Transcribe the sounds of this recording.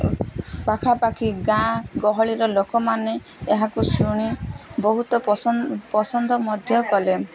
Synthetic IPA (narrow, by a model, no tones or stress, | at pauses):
pakʰapakiɡãɡɔɦɔɭiɾɔlokɔmane | eɦakusuɽ̃ibɔɦut̪ɔpɔsɔnd̪ʱɔmɔd̪ʱjɔkɔle